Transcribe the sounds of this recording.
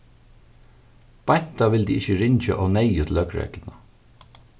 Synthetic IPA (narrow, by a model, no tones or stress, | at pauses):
b̥ɑnt̪ɑʋɪld̪iːɪçəɹɪɲçə̰ʔoːneɪʉːt̪lœkɹḛːɡ̥lnə